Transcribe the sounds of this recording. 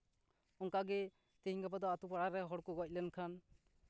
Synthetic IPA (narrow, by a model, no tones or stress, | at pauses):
ɔŋkaɡɛ | t̪ɛɦiŋkapad̪ɔat̪upaɽaɾɛɦɔɽkɔɡɔc̚ˀlɛnkʰan